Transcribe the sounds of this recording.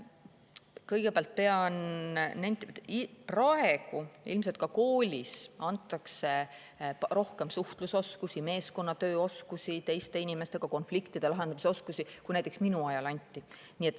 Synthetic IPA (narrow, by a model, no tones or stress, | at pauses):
kɤjɡ̥epeɑlt̪̚pe̞ɑnːænt̪prɑe̞ɡ̥uḭlmse̞lt̪̚kɑko̞ːlʲisɑnt̪ːˑɑkse̞ | ɾo̞hke̞msuht̪luso̞skusime̞ːsko̞nːɑt̪ø̞ːo̞skusit̪e̞jst̪e̞inʲimest̪e̞ɡ̥ɑko̞nflikt̪id̪̥e̞lɑɦe̞nd̪ɑmiseo̞skusikujnæjt̪eksminuɑjɑlɑnʲt̪ʲːˑi | nie̞t̪ːˑ